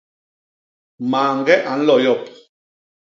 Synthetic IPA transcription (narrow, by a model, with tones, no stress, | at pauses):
maː˨ŋɡɛ˦ʔa˨n̩˦lɔ˨jɔ˦˨p̚